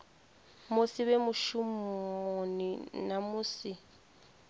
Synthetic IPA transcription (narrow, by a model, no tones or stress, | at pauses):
mʊsiβɛmʊʃumoninamʊːsi